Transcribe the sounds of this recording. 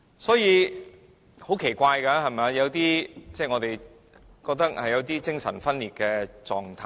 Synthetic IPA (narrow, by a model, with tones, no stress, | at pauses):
sɔː˨˥jiː˨˧ | ho˨˥wkʰe˨˩jkʷaː˧jkɐː˧hɐ˨jmɛ˨a˧jɐ˨˧wt̪iː˥t͡sɛː˥˩ŋɔː˨˧t̪e˨j | kɔː˧k̚t̪ɐ˥k̚hɐ˨jɐ˨˧wt̪iː˥t͡sɪ˥ŋsɐ̰˨˩nfɐ˥nliː˨˩t̚kɛː˧t͡sɔː˨ŋt̪ʰaː˧